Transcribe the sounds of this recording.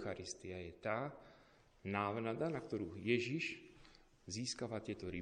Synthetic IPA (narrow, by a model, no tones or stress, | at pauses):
xaɾist̪iajɛt̪aː | naːʋnad̪anakt̪ɔɾuːjɛʒiʃ | ziːskaʋaːt̪ɪɛt̪ɔɾi